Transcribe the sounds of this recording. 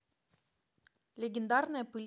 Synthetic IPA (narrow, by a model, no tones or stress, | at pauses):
lʲɪɡʲɪnd̪arnəjəpɨlʲ